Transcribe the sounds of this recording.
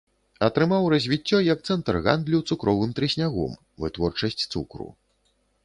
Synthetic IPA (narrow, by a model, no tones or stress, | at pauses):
ɐt̪ɾɨmawrɐzʲvʲit͡sʲːɔjɐk̚t̪sɛnt̪ɐrɣa̰nd̪lʲut̪sukɾɔvɨmt̪ɾɨsʲnʲaɣɔ̰m | vɨ̰t̪vɔrt͡ʂɐsʲt͡sʲt̪sṵkɾṵ